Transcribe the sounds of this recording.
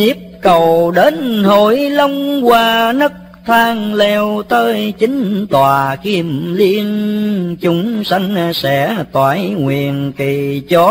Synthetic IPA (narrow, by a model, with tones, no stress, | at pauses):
i˦˥əp̚kə˨˩wɗe˨˦nho˧˩jlə˧wŋ͡mkwaː˧nə˦˥k̚t̪ʰaː˧ŋlɛ˧wt̪əː˨˦jt͡ɕï˨˦ŋ̟t̪waː˨˩ki˧əmli˧ənt͡ɕʊ˨˦ŋ͡msa˧jŋ̟sɛ̰˧˥t̪waː˧˩jŋwi˨˩ənki˨˩t͡ɕɔ˨˦